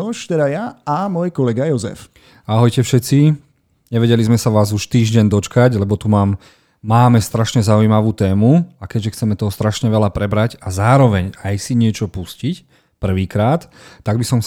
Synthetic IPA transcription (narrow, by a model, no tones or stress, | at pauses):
ɔʃt̪ɛd̪ajaamɔjkɔlɛɡajɔzɛ̰f | aɦɔjcɛfʃɛt͡si | ɲɛʋɛɟɛlizmɛsaʋaːzuʃt̪iːʒɟɛɲd̪ɔt͡ʃkaɟlɛbɔt̪umaːmː | aːmɛst̪ɾaʃɲɛzaujmaʋuːt̪ɛːmuakɛɟʒɛxt͡sɛmɛt̪ɔɦɔst̪ɾaʃɲɛʋɛlapɾɛbɾacazaːɾɔʋɛɲajsiɲɪɛt͡ʃɔpuscic | pr̩ʋiːkɾaːt̪ːaɡ̚bisɔms